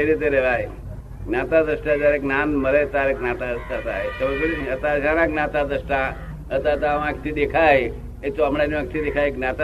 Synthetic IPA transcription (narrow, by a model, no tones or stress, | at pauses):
eɾit̪eɾeʋaɦe | nat̪ad̪əsʈad͡ʒaɾeknanməɾet̪aɾeknat̪ad̪əst̪at̪a̰ɦesəʋk̬ɽiət̪asanaknat̪ad̪əsʈa | ət̪aət̪aʋãkt̪id̪ekʰaɦe | ek̚t͡soamɽaniʋak̚t̪id̪ekʰaeknat̪a